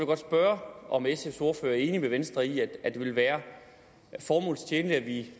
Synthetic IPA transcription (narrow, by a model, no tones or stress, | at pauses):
lɡ̥ɒ̽d̥sb̥ɶɐʔɒ̽mesefso̝ɐfø̰ːɐæɐe̝ːnimeʋensd̥ʁɐiæ̥æd̥e̝ʋe̝lʋæːɐ | fɒːmɔ̰̽ːlst͡ɕʰeːnliæʋi